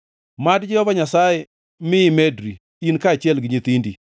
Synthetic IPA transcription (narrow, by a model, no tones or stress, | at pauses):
madd͡ʒɪjɔbaɲasajɛ | mɪɪmedɾi | inkat͡ʃjɛlɡɪɲɪt̪indi